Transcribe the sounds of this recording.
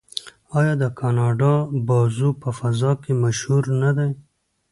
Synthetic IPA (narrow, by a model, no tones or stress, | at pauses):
ɑjɑd̪əkʰɑnɑɖɑbɑzupəfazɑkemaʃhuɾnad̪aj